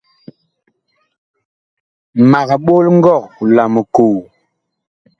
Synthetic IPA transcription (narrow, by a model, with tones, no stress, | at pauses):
ma˨kɓo˦lŋ˦ɡɔ˦˨kla˨mə˨ko˨w